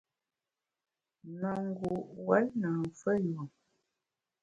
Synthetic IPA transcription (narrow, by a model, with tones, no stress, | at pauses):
nə˨ŋ˦ɡu˨wa˦lna˨fə˦jo˨